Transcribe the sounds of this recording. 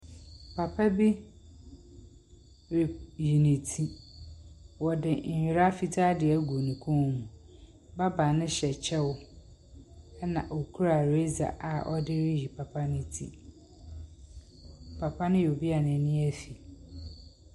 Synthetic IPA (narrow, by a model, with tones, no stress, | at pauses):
pʰa˨pʰa˦bi˦ | ɾi˨ji˨nɪ̃˨tʰi˦ | wɔ˨dɪ˨ɲ̩˨hᶣʊ˨ɾa˦fi˦tʰaː˦dɪ˨ɛ˦ɡu˨nũ˨kʰũ˦˨mũ˨ | ba˦ba˨nɪ̃˦ɕɛ˨t͡ɕʰɛ˦wʊ˦ | ɛ˦nã̰˨ʔo˨kʰu˦ɾa˨ɾe˦za̰˨ʔa˨ʔɔ̰˦dɪ˦ɾɪ˦ji˨pʰa˨pʰa˦nɪ̃˦tʰḭ˦ | pʰa˨pʰa˦nʊ̃˦jo˨bi˦a˨nɪ̃˨nɪ̃˦ɛ˦fi˨